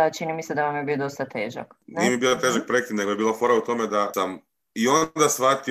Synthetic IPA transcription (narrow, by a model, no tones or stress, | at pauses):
t͡ʃinimised̪aʋamjebiod̪ost̪at̪e̞ːʒa̰kniemibiːlat̪eʒak̚pɾekid̪ne̞ɡojebiːlˠafo̞ɾaut̪o̞med̪asam | io̞nd̪asʋat̪i